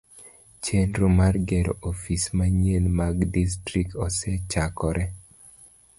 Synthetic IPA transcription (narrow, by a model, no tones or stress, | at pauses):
t͡ʃendɾomarɡɛɾo̰ʔofismaɲelmaɡdis̬tɾikɔsɛt͡ʃakɔɾʔɛ